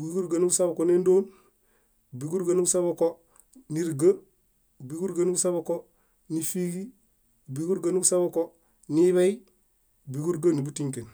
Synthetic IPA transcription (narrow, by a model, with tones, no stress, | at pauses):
ɡi˨ɡu˦ɾɡa˨ni˦ɡu˦sa˦bko˨ne˦ndoː˦n | bi˨ɡu˦ɾɡa˦nu˦ɡu˦sa˦boko˦ | ni˨ɾɡə˦ | bi˨ɡu˦ɾɡa˦ni˦ɡu˦sa˦bo˦ko˦ | ni˨fi˦ɡi˦ | bi˨ɡu˦ɾɡani˦ɡu˦sa˦bo˦ko˦ | ni˦βe˦i | bi˨ɡu˦ɾɡa˦ni˨bu˦tiŋki˨n